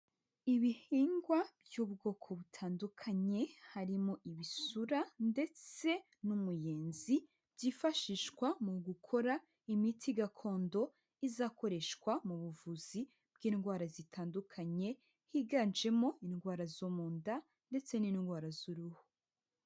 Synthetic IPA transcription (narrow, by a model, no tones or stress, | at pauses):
iβihiːŋɡwabjuβɡo̞ːkʰo̞βutʰaːndukʰaɲe̞haɾimoʔiβisuɾande̞t͡se̞ | numujeːnzi | bɟifaʃiːʃkwamuɡukʰo̞ɾa | imitʰiɡakʰo̞ːndo̞ | izaːko̞ɾe̞ʃkwamuβuvuz̥i | b̥ɡiːnɡwaːɾazitʰaːndukʰaɲe̞ | hiɡand͡ʒe̞mo̞inɡwaːɾazomuːnda | nde̞t͡se̞ninɡwaːɾazuɾuho